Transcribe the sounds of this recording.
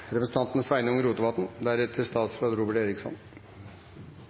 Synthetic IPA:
ɾɛpɾəsət̪ʰɑnt̪nəsʋæɪnəʊŋəɾuːt̪ʊʋɑt̪n̩d̪æɾɛt̪ʰːɪst̪ɑːt̪sfɾɑːd̪ɾʊːbəʈeːɾɪksɔ̰n

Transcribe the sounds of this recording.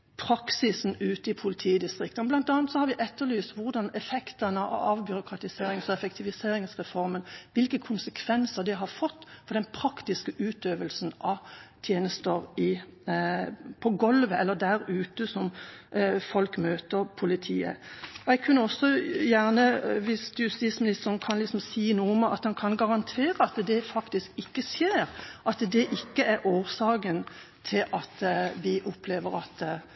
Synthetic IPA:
pʰɾɑksɪsn̩ʉːt̪əɪpʰʊlɪt̪ʰiːd̪ɪst̪ʁɪk̚t̪ənblɑnt̪ɑːnt̪sɔhɑɾʋɪʔɛt̪ːəɾlyːst̪ʋʊʁd̪ɑnɛfɛkt̪ənəʔɑ̰ʋbjʏɾʊkʰɾɑt̪ɪseːɾɪŋsɔɛfɛkt̪ʰɪʋɪseːɾɪŋsʁɛfɔɾmənʋɪlkəkʰʊnsəkʰʋɛnsəʁd̪ɪɦɑɾfɔt̪ːfɔd̪ɛnpʰɾɑkt̪ɪskəʔʉːt̪øːʋəlsn̩ʔɑt̪ʰjeːnəst̪əɾɪ | pʰɔɡɔlʋəɛlːəd̪æɾʉːt̪əsɔm | fɔlkmøːt̪əɾpʰʊlɪt̪ʰiːə̰ɔɛɡkʰʉnːəɔsːɔjæʁnəʋɪst̪jʉst̪iːt̪smɪnɪst̪əɾnkʰɑnlɪksɔmsiːnuːʊmɑ̰t̪hɑnkʰɑnɡɑʁɑnt̪ʰeːɾəɑt̪d̪ɛfɑkt̪ɪskɪkːəsjeːɾʔɑt̪d̪ɛʔɪkːəæɾʔoːsɑːkən | t̪ʰɪlʔɑt̪ʋɪʔʊpʰleːʋəɾɑt̪

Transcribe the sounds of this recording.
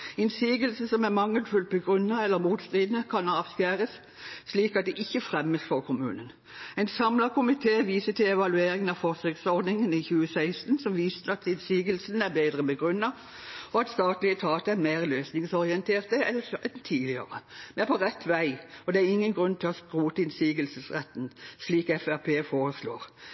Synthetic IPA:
ɪnsiːɡəlsn̩sɔmæʁmɑŋːəlfʉlt̪̚bəɡʁʉnːɑɛlːəɾmuːt̪st̪ʁiːd̪nəkʰɑnɑːʋskæːʁəsː | liːkɑt̪̚d̪ɛʔɪçːəfʁɛmːəsfɔɾkʰʊmʉ̰ːnən | ɛɪnsɑmlɑkʰʊmɪt̪ʰeːʋiːsət̪ɪlɛʋɑlʉeːɾɪŋənɑʋfɔʁsøːksɔʁd̪nɪŋəniçʉːəsæɪst̪nsɔmʋiːsəɑt̪ɪnsiːɡəlsn̩æʁbeːd̪ʁəbəɡʁʉnːɑ | ɔɑt̪st̪ɑːt̪lɪət̪ʰɑːt̪əæɾmeːʁløːsnɪŋsɔʁɪɛnt̪ʰeːʁt̪əɛlːət̪ʰiːlɪə̰ʁə̰mɛpʰɔʁɛt̪ːʋæɪɔd̪ɛæɾɪŋːənɡʁʉnːt̪ʰɪlɔskɾuːt̪əɪnsiːɡəlsəsʁɛt̪ːnsliːkɛfæʁpʰeːfoːʁəslo̰ːʁ

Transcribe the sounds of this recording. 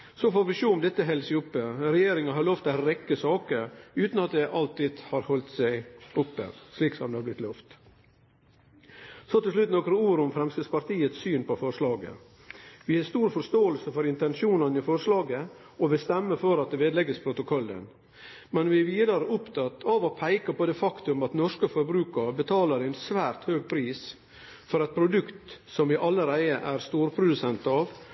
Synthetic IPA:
sɔfoːɾʋɪʃuːʊmd̪ɛt̪ːəɦɛlsɪʊpːəɾɛjeːɾɪŋɑɦɑɾloːft̪ʰɾɛkːəsɑːkəɾʉːt̪nɑt̪̚d̪ɛʔɑlt̪iːd̪hɑːɾhɔlt̪sæɪʊpːə̰ʂliːksɔmd̪ɛhɑblɪt̪lœft̪ | sɔt̪ɪlslʉt̪nɔkɾəuːɾʊmfɾɛmsəspɑɾt̪ʰiːət̪syːnpɔfɔɾʂlɑːɡə̰ | ʋɪhɑst̪uːɾfɔɾʂt̪oːəlsəfɔɾɪnt̪ɛnʃuːnɑnɪfɔɾʂlɑːɡə | ɔʋɛst̪ɛmːəfɔɾɑt̪̚d̪ɛʋeːd̪lɛɡəspʰɾʊt̪ʊkʰɔlːə̰n | mɛnʋɪæʋiːd̪ɑɾəʔʊpt̪ʰɑt̪ːʰɑʋɔpʰæɪkɑpɔd̪eːfɑkt̪ʉmɑt̪nɔʂkəfɔɾbɾʉːkəɾbət̪ʰɑːləɾæɪnsʋæːɾt̪høːɡpʰɾiːs | fɔɾɑt̪̚pʰɾʊd̪ʉkt̪sɔmʋɪʔɑlːəɾæɪəʔæɾst̪uːɾpʰɾʊd̪ʉsɛnt̪ɑʋ

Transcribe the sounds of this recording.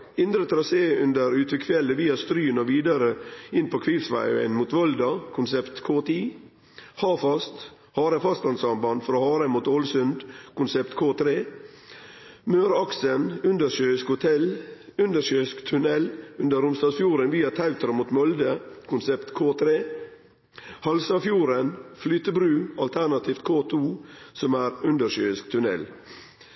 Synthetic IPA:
ɪnd̪ɾət̪ʰɾɑseːʉnd̪əɾʉːt̪ʰʋɪkʰfjɛlːəʋiːɑst̪ɾyːnoʋiːd̪ɑɾəɪnpʰoːkʰʋifsʋɑ̰ʉə̰nmuːt̪ʋɔld̪ɑkʰʊnsɛpt̪kʰoːt̪ʰiː | hɑːfɑst̪ | hɑːɾəfɑst̪ɑnsɑmbɑnd̪fɾoːhɑːɾəmuːt̪oːlsʉnd̪kʰʊnsɛpt̪kʰoːt̪ʰɾeː | møːɾɑksənʉnd̪əɾʃøːɪskhʊt̪ʰɛlʉnd̪əʃøːskt̪ʰʉnɛlʉnd̪əɾʊmst̪ɑːsfjuːɾənʋiːɑt̪ʰɑʉt̪ɾəmuːt̪mɔld̪əkʰʊnsɛpt̪kʰoːt̪ʰɾeː | hɑlsɑfjuːɾənflyːt̪əbɾʉːɑlt̪ʰænɑt̪ʰiːft̪̚kʰoːt̪ʰuːsɔmæːɾʉnd̪əɾʃøːɪskt̪ʰʉnɛ̰l

